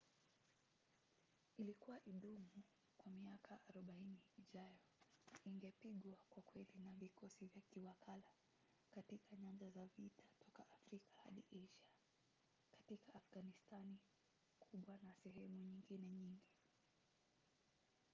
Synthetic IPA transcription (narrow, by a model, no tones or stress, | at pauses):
ilikuwaʔiɗumu | kwamiakʰaʔːɾɔɓainiːʄajɔiŋɡɛpiɠwakwakwɛlinavikɔsivjakiwakʰala | katikaɲand͡ʒazavitʰḁtʰɔkaʔafɾikḁha̰ɗiʔɛʃa | kḁtikaʔːfɡanistani | kʰuɓwanasɛɦɛmuɲiŋɡinɛɲiŋɡi